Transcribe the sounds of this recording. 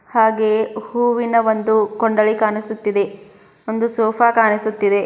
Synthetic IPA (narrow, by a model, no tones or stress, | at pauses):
haːɡe̞ːhuːʋinɐʋond̪ukoɳɖɐɭikaːnisut̪ːid̪e̞ | ond̪usɔːpʰaːkaːnisut̪ːid̪e̞